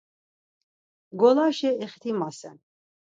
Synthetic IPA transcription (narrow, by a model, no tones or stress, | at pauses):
ɡɔlaʃɛɛχt̪ʰimasɛ̰n